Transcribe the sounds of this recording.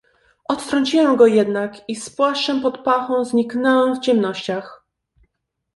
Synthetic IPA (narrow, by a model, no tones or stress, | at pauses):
ɔt̪t̪ɾɔɲt͡ɕiwɛmɡɔjɛd̪nakispwaʂt͡ʂɛmpɔt̪paxɔ̃w̃zɲiknɛwɛ̃wft͡ɕɛmnɔɕt͡ɕax